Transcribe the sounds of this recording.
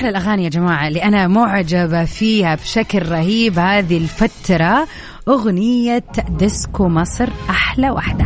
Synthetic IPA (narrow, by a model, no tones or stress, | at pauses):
ħlalʔaɣaːnɪjad͡ʒamaːʕaliʔanamʊʕd͡ʒabafiːhabʃaklɾˤɑhiːbhaːðilfat̪ɾˤɑ | ʔʊɣnɪjːad̪ɪskumɑsˤɾʔaħlawa̰ħd̪a